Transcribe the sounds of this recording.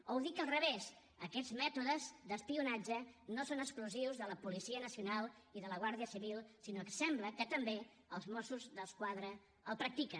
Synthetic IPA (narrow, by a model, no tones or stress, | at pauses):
owðikəlˠrəβez | əkɛd͡zmɛt̪uðəzd̪əspiunad͡ʒənosonəkskluziwzðələpulisiənəsiunalˠiðələɣ̞waɾðiəsiβilˠsinokəsɛmbləkət̪əmbe | əlˠzmosuzðəskwaðɾəː | lˠpɾək̚t̪ikə